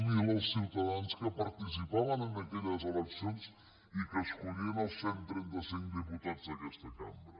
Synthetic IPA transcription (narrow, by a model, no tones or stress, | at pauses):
miləlˠsːiwt̪aðanskəpɐɾt̪is̬ipaβənənəkɛʎəzələksionz | ikəskuɾiənəlˠsːɛnt̪ɾɛnt̪əsiŋk̚d̪əput̪ad͡zd̪əkɛst̪əka̰mbɾə